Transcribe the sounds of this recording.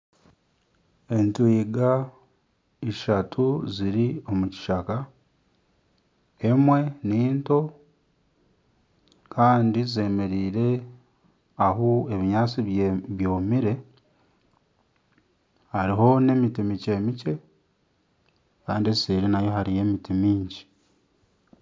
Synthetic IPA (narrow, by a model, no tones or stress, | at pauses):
e̞ntuiɡa | iʃatʰuziɾio̞muci̥ʃaka | emwe̞niːnto̞ | kʰaːndize̞ːme̞ɾiːɾe̞ | aɦue̞βiɲaːt͡siββjo̞ːmiɾe̞ | haɾiɦo̞ne̞mitimice̞ːmice̞ | kaːndiesseɾinajo̞ɦaɾije̞mitimiːɲɟi̥